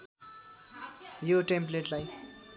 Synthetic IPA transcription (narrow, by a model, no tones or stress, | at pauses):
joʈempleʈlaj